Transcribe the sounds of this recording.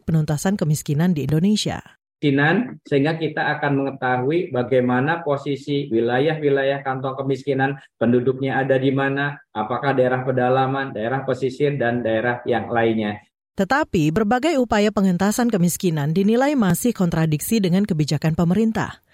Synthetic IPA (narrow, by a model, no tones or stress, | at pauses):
pənunt̪asankəmiskinandiːndonesia̰ | kinansəɦiŋɡakit̪aːkanməŋət̪aɦuibaɡajmanaposisiwilajahwilajahkant̪ɔŋkəmiskinanpəndudʊk̚ɲaadadimanaapakahdaeɾahpədalamandaeɾahposisiəndandaeɾahjaŋlainɲa | t̪ət̪apibərbaɡajupajapəŋənt̪asankəmiskinandinilajmasɪhkɔnt̪ɾadiksidəŋankəbid͡ʒakanpəməɾint̪a̰h